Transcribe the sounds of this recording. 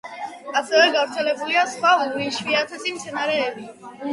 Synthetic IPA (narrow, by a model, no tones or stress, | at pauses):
asɛvɛɡavɾt̪sʰɛlɛbuliasχwauɾiʃwiat̪ʰɛsimt̪sʰɛnaɾɛːbi